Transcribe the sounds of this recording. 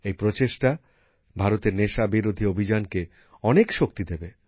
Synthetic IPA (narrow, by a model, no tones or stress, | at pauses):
ejpɾot͡ɕeʃʈa | bʱaɾot̪eɾneʃabiɾod̪ʱiobʱid͡ʑanke | ɔnekʃok̚t̪id̪ebe